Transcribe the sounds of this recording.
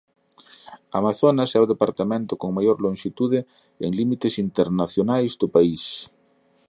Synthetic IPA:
a̰maθonasawðepaɾt̪amẽnt̪ʊkoŋmajoɾlõŋʃit̪uðɪ | eŋlimit̪ɪsint̪eɾnaθjonajzd̪ʊpais

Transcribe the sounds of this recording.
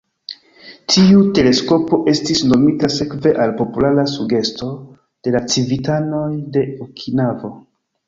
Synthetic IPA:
tʰiute̞le̞sko̞po̞ʔe̞stisno̞mitase̞kve̞ʔalpo̞pulaɾasuɡe̞sto̞ | d̥e̞lat͡sivitano̞jde̞ukʰinavo̞

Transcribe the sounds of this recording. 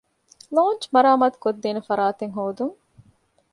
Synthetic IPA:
loːnt͡ʃmɐɾaːmaːt̪u̥kod̪ːeːnefɐɾaːt̪eŋɦoːd̪uŋ

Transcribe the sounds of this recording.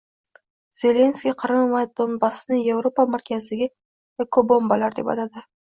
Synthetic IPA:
z̥e̞le̞nskʲiqʰɨɾɨmmajd̪̥ombasɪnɪje̞vɾopamaɾkʲʰazɪd̪aɡʲɪ | kʰobo̞mbalaɾd̪e̞pa̰t̪ʰad̪ɪ

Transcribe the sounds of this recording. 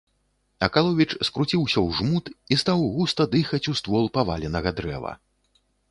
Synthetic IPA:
ɐkalˠɔvʲit͡ʂskɾut͡sʲiwsʲɐwʐmut̪ist̪awɣust̪ɐd̪ɨxɐt͡sʲust̪vɔlˠpava̰lʲɛnɐɣɐd̪ɾɛ̰vɐ̰

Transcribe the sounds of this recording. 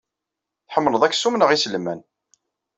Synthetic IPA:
θħəmːnəðˤækːsumnəʁislmæn

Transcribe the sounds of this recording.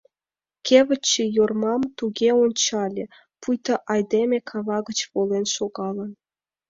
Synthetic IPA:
kʲeβə̆t͡ɕːejormɑmt̪uɣʲeonʲt͡ɕɑlʲĕ | pujt̪ɑʔɑjd̪emʲekʰɑβɑɣə̆t͡ɕβolenʃoɣɑlˠə̆n

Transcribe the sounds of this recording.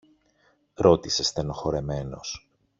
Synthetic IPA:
ɾo̞t̪ise̞st̪e̞no̞xo̞ɾe̞me̞no̞̰s

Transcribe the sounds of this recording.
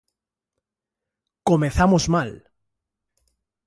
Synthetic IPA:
komeθamozmal

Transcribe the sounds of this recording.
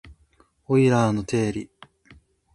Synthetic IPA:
oiɾaːnot̪ʰe̞ːɾʲi

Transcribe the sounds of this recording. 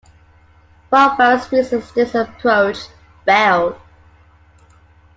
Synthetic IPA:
fɔfɜˑspʰiˑsɪsdɪsəpʰɹoʊt͡ʃ | b̥ɛl

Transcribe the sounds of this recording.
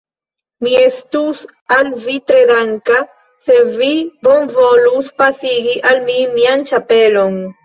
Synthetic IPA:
miestus | alvit̪ɾedaŋka | sevibonvoluspasiɡiʔalmimiant͡ʃapelo̞n

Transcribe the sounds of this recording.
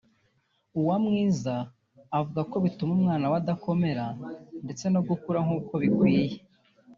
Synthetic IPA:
uwamŋiːzaː | vuɡako̞βitumumŋaːnawadako̞me̞ɾande̞t͡se̞no̞bɡukuɾaŋ̥uːko̞βikwiːje

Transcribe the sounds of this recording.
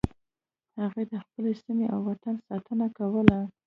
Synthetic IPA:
haɣujd̪əxpəlesimeʔawːat̪ansɑt̪ənakawəla

